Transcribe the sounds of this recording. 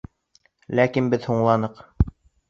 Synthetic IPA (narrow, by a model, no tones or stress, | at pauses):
lækinbɘðhuɴlˠɑnɤq